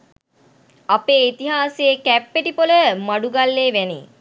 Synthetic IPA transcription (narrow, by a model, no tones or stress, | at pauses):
apeːit̪iɦaːsejekæpːeʈipoləmaɖuɡalːeːʋænḛː